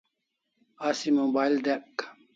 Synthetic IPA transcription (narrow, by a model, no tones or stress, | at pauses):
asimobaːild̪ek